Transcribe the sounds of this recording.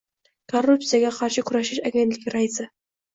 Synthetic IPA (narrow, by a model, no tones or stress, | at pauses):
korːup̚t̪sɨjaɡʲaqʰɑɾʃəkʲʊɾæʃɪʃaɡʲent̪lʲɪɡʲɪɾaj̪zə